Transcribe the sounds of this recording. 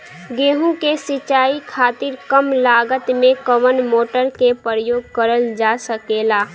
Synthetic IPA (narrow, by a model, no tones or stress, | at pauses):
ɡeːɦũkesɪt͡ʃaːikʰaːt̪ɪɾkəmlaːɡət̪mẽkəʋənmoːʈəɾkepəɾəjoːɡ̚kəɾəld͡ʒaːsəkeːlaː